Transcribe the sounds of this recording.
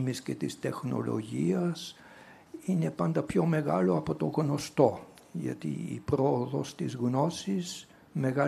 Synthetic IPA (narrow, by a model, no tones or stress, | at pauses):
misce̞t̪ist̪e̞xno̞̰lo̞̰ʝiɐs | ine̞pɐnd̪ɐpço̞me̞ɣɐlo̞ɐpo̞t̪o̞ɣno̞st̪o̞ | ʝɐ̰t̪ḭḭpɾo̞oðo̞st̪izɣno̞sis | me̞ɣɐ